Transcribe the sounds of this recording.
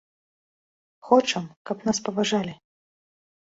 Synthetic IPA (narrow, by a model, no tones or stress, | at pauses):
xɔt͡ʂɐmkɐpnaspɐvaʐalʲi